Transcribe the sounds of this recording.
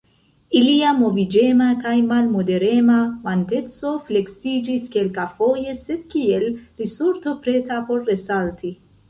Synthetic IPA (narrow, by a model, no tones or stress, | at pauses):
iliamo̞vid͡ʒe̞makajmalmode̞ɾe̞mavante̞t͡so̞fle̞ksid͡ʒiske̞lkafo̞je̞se̞d̪̚kielɾisuɾt̪o̞pɾe̞tapo̞ɾːe̞salti